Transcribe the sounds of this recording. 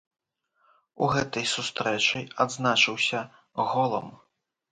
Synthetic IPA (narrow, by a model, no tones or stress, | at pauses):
uɣɛt̪ɐjsust̪ɾɛt͡ʂɨjad̪znat͡ʂɨwsʲɐ | ɣɔlˠɐ̰m